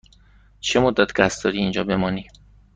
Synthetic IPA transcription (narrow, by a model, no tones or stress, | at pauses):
t͡ʃʰe̞mod̪ːæt̪ʰɡʲæst̪d̪ɒːɾiːnd͡ʒɒːbe̞mɒːniː